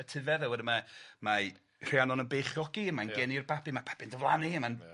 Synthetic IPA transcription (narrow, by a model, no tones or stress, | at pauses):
ətʰɪvɛðɛwədəmama | r̥ianɔnənbeːχjɔɡiəmanɡɛnirbabimapʰḁb̥ɪndəvlˠaniəman